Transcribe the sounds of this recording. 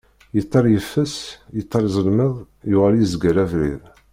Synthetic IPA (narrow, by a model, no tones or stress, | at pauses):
jət̪ˤːɑɾjəfːəsjət̪ˤːɑɾzˤəlməðˤ | jʊʁælizəɡəɾævɾḭð